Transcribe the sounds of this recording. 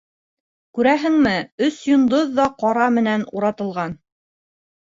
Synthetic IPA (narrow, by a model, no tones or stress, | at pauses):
kʉɾæɦɘ̆ŋmɘɵsjŏnd̪oðːɑqɑɾɑmɘ̆nænuɾɑt̪ɤ̆lˠʁɑn